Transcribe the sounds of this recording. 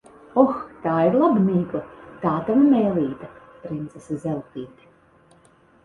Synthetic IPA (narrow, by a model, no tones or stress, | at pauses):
ɔxt̪aːiɾlˠabniːkat̪aːt̪avamɛːlˠiːt̪a | pɾint̪sesazʲɛlˠt̪iːt̪i̥